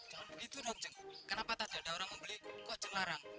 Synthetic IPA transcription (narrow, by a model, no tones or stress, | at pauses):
bəɡit̪unok̚d͡ʒəŋkənapat̪ad̥̪aɖaoɾaŋməmbəlikɔʔd͡ʒ̥əŋlaɾaŋ